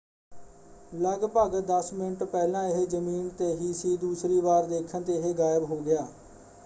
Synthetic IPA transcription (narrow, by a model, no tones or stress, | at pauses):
ləɡpəɡd̪əsmɪnəʈpɛːlãːɪɦed͡ʒəmiːnt̪eːɦiːsiːd̪uːsɾiːʋaːɾd̪eːkʰənt̪eːɪɦeːɡaːɪəbɦoːɡɪjaː